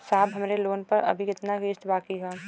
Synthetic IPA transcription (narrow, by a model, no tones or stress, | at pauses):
saːbɦɐmɾeloːnpɐɾɐ̰bʱikɪt̪naɡɪːʃt̪baːkiɡaː